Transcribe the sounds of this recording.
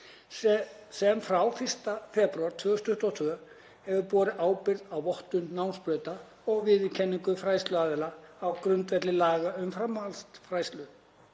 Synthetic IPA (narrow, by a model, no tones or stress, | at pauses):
sɛmfɾawfɪr̥st̪afɛːpɾɥaɾ̥t̪ʰvʏːɣʏst̪ʏht̪ɔt̪ʰvʏːʏ | hɛvʏpɔːɾɪʔaːwpɪɾðawvɔht̪ʏnːawnspɾœːɥt̪a | ɔɣvɪðɪcʰɛnːiŋkʏfɾaːjst̪lʏaːðɛlaːwkɾʏnt̪vɛt̪lɪlaːɣaʏmfɾamːalst̪fɾaːjst̪lʏ